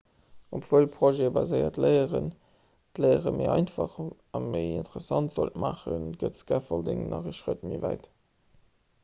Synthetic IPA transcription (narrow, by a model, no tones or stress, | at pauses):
opv̥uəlpʰʁ̥oʒebɑzəɪɐ̰tləɪəʁən | tləɪəʁəməɪɑɪnfɑχ | ɑnməɪintəʁəsɑntz̥oltmaːχənɡətsɡ̥æːfɑldeŋnʔɑʁəʃʁətmivæɪt